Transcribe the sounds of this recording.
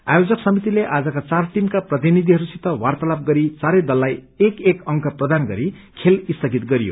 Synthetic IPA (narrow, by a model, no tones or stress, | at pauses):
a̰jod͡zʌksʌmit̪ileʔad͡zʌkat͡sarʈimkaprʌt̪̬inid̪ʱiɦʌɾusit̪ʌwart̪ʌlab̚ɡʌɾit͡saɾʌjd̪ʌlːaj | ekekʌŋkʌprʌd̪anɡʌɾi | kʰelist̪ʰʌɡit̪ɡʌɾijo̰